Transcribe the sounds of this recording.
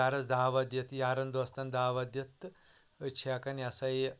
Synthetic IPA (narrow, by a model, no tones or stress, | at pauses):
aɾɐt͡sd̪aːʋɐd̪jɐt̪jaːɾɐnd̪ɐst̪ɐnd̪aːʋɐd̪jɐt̪ | t͡ʃʰiakɐniɐsɐi